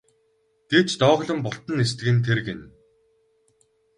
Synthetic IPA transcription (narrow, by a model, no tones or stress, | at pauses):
ɡ̪̥et͡ɕt̪ɔːʁɮə̆mpʊɬt̪ə̆nest̪ɘ̆ɡɘ̆nt̪ʰerɡen